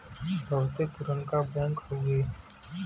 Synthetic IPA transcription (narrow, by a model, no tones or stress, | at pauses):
bʱəʋt̪epʊɾənkabɛ̃ːŋkɦoɡeː